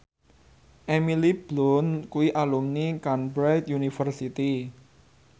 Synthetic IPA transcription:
ʔemilib̥lɔnkuwiʔalumnikanbɾajt̪junifərsit̪i

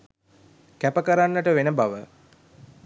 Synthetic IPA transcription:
kæpəkəɾanːəʈəʋenəbaʋə

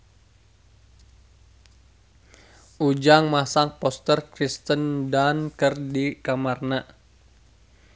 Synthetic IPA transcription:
ʔud͡ʒaŋmasaŋpɔst̪ərkɾist̪əndankərdikamarna

